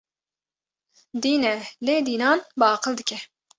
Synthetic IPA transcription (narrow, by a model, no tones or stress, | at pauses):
d̪iːnɛleːd̪iːnɑːnbɑːqɨld̪ɨkʰʲɛ